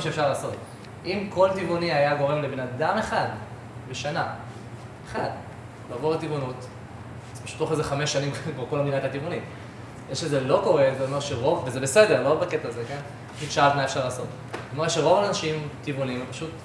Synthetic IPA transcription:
aʃefʃaʁlaːso̞t | ʔimko̞lt̪ivuniajaɡo̞ʁe̞mlebenad̪ame̞χad̪ | beʃana | eχad̪ | laːvoʁet̪ivunut | paʃu̥t̪ːo̞χezeχameʃːanimkvaʁkolmd̪inatat̪ivunim | jeʃezelo̞ko̞ʁeveomeʃeʁo̞vvezebesede̞ʁlo̞baketaːzeken | paʃitʃaatmaefʃaʁlaːso̞t | me̞eʃeʁo̞vanaʃimtivunimepaʃut

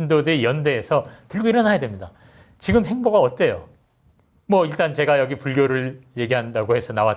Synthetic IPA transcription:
indodɯijʌndeːsʰʌtɯɭɡoiɾʌnɦajadwe̞mɲida | t͡ɕiɡɯmɦe̞ŋboɡaʌt̚t͈e̞jo | mwʌiɭt͈ant͡ɕe̞ɡajʌɡipuɭɡjoɾɯɭje̞ɡiɦandaɡohe̞sʰʌnawat

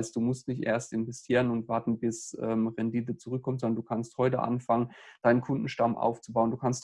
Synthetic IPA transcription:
st̚d̥uːmʊstnɪçtʔḛːɐstʔɪnvɛstʰiːʁənʊntv̥aɐtn̩bɪsʔɛ̰ːmʁɛndiːt̬ət͡suʁʏkʰːɔmtzɔndɐnduːkʰansthɔʏtə̰ʔa̰nfaŋənd̥aɪnənkʰʊndn̩ʃtamʔa̰ʊft͡subaʊənduːkʰanst

